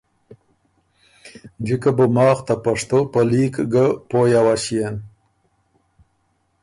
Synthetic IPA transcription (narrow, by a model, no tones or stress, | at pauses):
d͡ʒikəbəmɑːxt̪apaʂt̪opəlikɡəpojawaʃijen